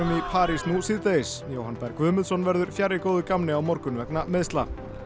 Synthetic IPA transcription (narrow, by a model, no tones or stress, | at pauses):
ʏmipʰaːɾisnusɪðt̪eɪsjowhanpɛjɾkvʏːmɪlsɔnvɛɾðʏɾ̥fjaɾɪkowðʏkamnɪawmɔɾkʏnvɛknamɪðst̪la̰